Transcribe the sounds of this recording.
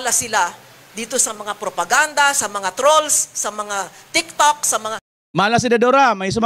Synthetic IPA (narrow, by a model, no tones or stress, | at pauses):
lasɪla | d̪iːt̪osɐmɐŋapɾopɐɡand̪asɐmɐŋat̪ɾolsːɐmɐŋat̪ɪk̚t̪ok̚sɐmɐŋa | malas̬ɪd̪ɐd̪oɾamajs̬ʊm